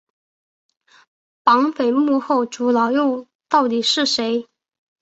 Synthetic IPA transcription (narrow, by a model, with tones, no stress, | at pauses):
pɑ˧˥ŋfe˨˩ɪmu˥˧xo˥˩ʊʈ͡ʂu˧˥lɑ˨˥ʊjo˥˧ | t̪ɑ˥˩ʊt̪i˨˩ʂɻ̩˥˩ʂe˧˥ɪ